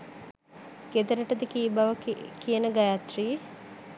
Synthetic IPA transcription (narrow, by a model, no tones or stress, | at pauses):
ɡ̥ed̪əɾəʈəd̪əkiːbaʋəkijənəɡajat̪ri